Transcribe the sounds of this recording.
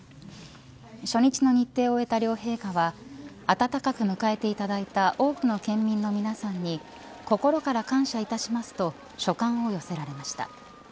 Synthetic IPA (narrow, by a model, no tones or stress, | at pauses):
ɕo̞ɲ̟it͡ɕino̞ɲ̟it̪ːe̞ːo̞e̞t̪aɾʲo̞ːhe̞ːɡaβaː | t̪at̪akakɯ̟mɯ̟kae̞t̪e̞it̪ad̪ait̪aʔo̞ːkɯ̟no̞kẽ̞mːʲĩnːo̞mʲinasãɲ̟ːi | ko̞ko̞ɾo̞kaɾakãɰ̃ɕait̪aɕimasɨ̥t̪o̞ | ɕo̞kãɰ̃o̞jo̞se̞ɾaɾe̞maɕi̥t̪a̰